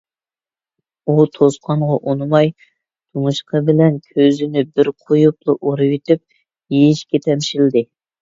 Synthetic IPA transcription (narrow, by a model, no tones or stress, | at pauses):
ut̪ʰosqʰɑɴʁɑʔonmɑj | t̪ʰumuʃqʰəbɪlɛnkʲʰøzɪnɪbɪɾqʰojuplˠʊʔoɾɨwit̪yp̚ | jijiʃkʲɛt̪ʰɛmʃild̪ɪ